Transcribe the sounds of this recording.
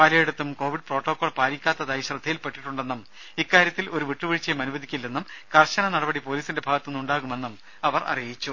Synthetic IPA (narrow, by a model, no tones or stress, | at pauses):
pɐlijeɽut̪ːumko̞ːʋiɖ̚pro̞ːʈːo̞ːkːoːɭpaːɾikʲːaːt̪ːɐðaːjiɕrɐd̪ʱijilpe̞ʈːiʈːuɳɖe̞nːɐm | ikːaːɾjɐt̪ːilo̞ɾuʋiʈːuʋiɻit͡ɕːɐjmɐnuʋɐd̪ʱikʲːilːenːumkɐrɕɐnɐnɐɽɐbɐɽipo̞ːliːsinde̞bʱaːɡɐt̪ːunːuɳɖaːɣume̞nːɐm | ɐʋɐrɐ̰rijit͡ɕːu